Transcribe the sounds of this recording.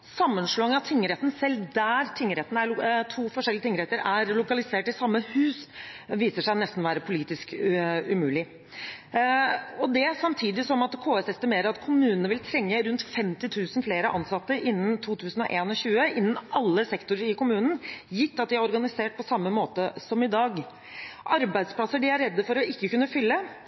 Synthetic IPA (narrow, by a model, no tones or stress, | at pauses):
sɑmːənʂɭoːɪŋɑt̪ʰɪŋːəɾɛt̪n̩sɛld̪æːɾt̪ʰɪŋːəɾɛt̪næɾt̪ʰuːfɔʂɛlːɪət̪ɪŋːəɾɛt̪əɾæɾlʊkɑlɪseːʈɪsɑmːəhʉːsʋiːsəʂæɪnɛst̪n̩ʋæːɾəpʰʊliːt̪ɪskʉmʉːlɪ | ɔd̪ɛsɑmt̪ʰiːd̪ɪsɔmɑt̪kʰoːɛsɛst̪ɪmeːɾəɾɑt̪kʰʊmʉːnənəʋɪlt̪ʰɾɛŋːəɾʉnt̪fɛmt̪ɪt̪ʰʉːsn̩fleːɾəʔɑnsɑt̪ːəʔɪnːn̩t̪ʰuːt̪ʰʉːsn̩ɔ̰ʔeːnɔɕʉːəʔɪnːn̩ɑlːəsɛkt̪ʊɾəɾɪkʊmʉːnən̩jɪt̪ːɑt̪̚d̪ɪæɾɔɾɡɑnɪseːʈ̚pʰɔsɑmːəmoːt̪əsɔmɪd̪ɑːɡ | ʔɑɾbæɪd̪spʰlɑsəɖɪæɾːɛd̪ːəfɔɾɔʔɪkːəkʉnːəfʏlːə